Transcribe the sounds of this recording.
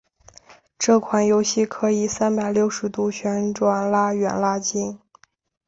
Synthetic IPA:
ʈ͡ʂɤ˥˩kʰwa˨˩njo˧˥ʊɕi˥˩kʰɤ˧˥i˨˩sa˥npa˨˩ɪljo˥˩ʊʂɻ̩˧˥t̪u˥ɕʰɥɛ˧˥nʈ͡ʂwa˨˩nla˥ɥɛ˨˩nla˥t͡ɕi˥n

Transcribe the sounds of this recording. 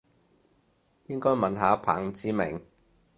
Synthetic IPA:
jɪ˥ŋkɔː˥jmɐ˨nɦaː˨˥pʰa̰ː˨˩ŋt͡siː˨˥mɪ̰˨˩ŋ

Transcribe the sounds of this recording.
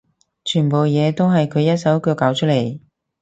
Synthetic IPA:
t͡ʃʰyː˨˩npo˨wjɛː˨˧t̪o˥wɦɐ˨jkʰɵ˨˧ɥjɐ˥t̚sɐ˨˥wkɵː˧kaː˨˥wt͡ʃʰɵ˥le˨˩j

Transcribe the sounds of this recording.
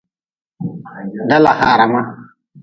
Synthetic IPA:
da˦la˨ha˨ɾa˨ma˦

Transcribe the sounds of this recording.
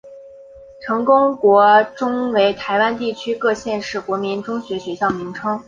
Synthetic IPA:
ʈ͡ʂʰɤ˧˥ŋkʊ˥ŋkwɔ˧˥ʈ͡ʂʊ˥ŋwe˧˥ɪt̪ʰa˧˥ɪwa˥nt̪i˥˩t͡ɕʰy˥kɤ˥˧ɕjɛ˥˧nʂɻ̩˥˩kwɔ˧˥mi˧˥nʈ͡ʂʊ˥ŋɕɥɛ˧˥ɕɥɛ˧˥ɕjɑ˥˩ʊmi˧˥ŋʈ͡ʂʰɤ˥ŋ

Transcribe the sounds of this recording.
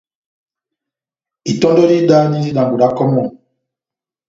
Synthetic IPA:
i˨tɔ̃˦ndɔ˦ɾi˦da˦ni˦di˦ɗa˨ŋɡu˨ɾa˦kɔ˦mɔ˦˨

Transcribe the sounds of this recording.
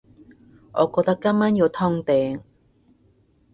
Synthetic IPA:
ʔɔː˨˧kɔː˧k̚t̪ɐ˥kːɐ˥mmaː˥nji˨˧wt̪ʰɔː˥ŋt̪ɛː˨˧ŋ

